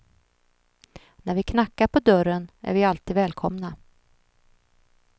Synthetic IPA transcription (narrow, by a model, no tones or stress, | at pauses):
næɾvɪkʰnakːaɾpʰɔd̪œɾənæ̰ɾvɪalt̪iːd̪vɛːlkʰɔmna